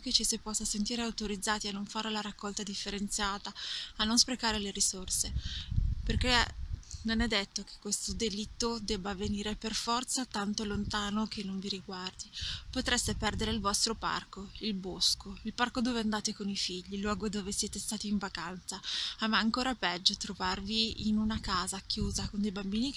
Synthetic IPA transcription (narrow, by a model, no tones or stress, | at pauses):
ket͡ʃːisipːɔsːasent̪iːɾeawt̪oɾid̪zːaːt̪ianːoɱfaɾelaɾakːɔlt̪ad̪ifːeɾent̪sjaːt̪aːnːonspɾekaːɾeleɾisorse | perk̟enonɛd̪ːet̪ːok̟ʰe̥kːwest̪od̪elit̪ːod̪ɛbːaːveniːɾeperfɔrt̪sat̪ant̪olont̪aːnokʰenːoɱviɾiɡward̪ipot̪ɾest̪epɛrd̪eɾeilvɔst̪ɾopa̰rkoilboskoilparkod̪oːveand̪aːt̪ekonifiʎːilwɔːɡod̪oːvesjɛːt̪est̪aːt̪iːɱvakant̪saamːaːŋkoːɾapɛd͡ʒːot̪ɾovarviinunakaːzakjuːzakond̪ejbambiːni